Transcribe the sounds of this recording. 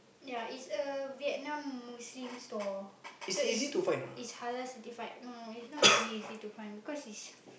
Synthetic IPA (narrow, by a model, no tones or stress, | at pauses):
jaitsəviɛt̚nãmːuslĩmstɔisdɛtizitufãj̃nishaləsɛtifaɪk̚noisnɔtɛliizitufãɪ̃nbikɔsits